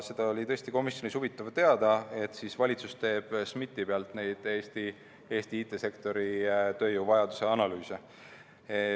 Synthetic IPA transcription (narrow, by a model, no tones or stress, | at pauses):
se̞d̪̥ɑolʲit̪ɤ̞est̪iko̞misjo̞nisuvit̪ːˑɑvt̪e̞ɑd̪ɑe̞t̪sisvɑlʲit̪sust̪e̞ːb̥smit̪ːˑipeɑlt̪ne̞jd̪̥eːst̪i | e̞ːst̪iiːt̪ːˑe̞se̞kt̪o̞ɾit̪ø̞ːjuːvɑjɑd̪use̞ɑnɑlyːse